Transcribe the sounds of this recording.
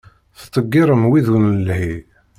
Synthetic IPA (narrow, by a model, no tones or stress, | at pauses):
θt̪ˤːəɡːiɾˤəmwiðunəlhi